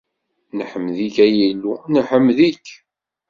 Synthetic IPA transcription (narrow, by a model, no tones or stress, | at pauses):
nħəmːðikæjilːunəħəmːðikː